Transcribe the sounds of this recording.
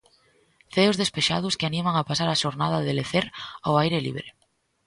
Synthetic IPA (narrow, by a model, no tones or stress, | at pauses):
θeʊzðespeʃa̰ð̞ʊskɪanimaŋapasaɾaʃoɾnaðaðeleθeɾawajɾelḭβɾe